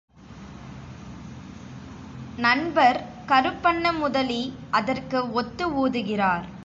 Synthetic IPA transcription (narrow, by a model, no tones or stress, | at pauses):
nɐɳbɐɾ | kɐɾɯpːɐɳːɐmʊðɐliʔɐðɐrkɯɔt̪ːɯuːðɯɣɪraːɾ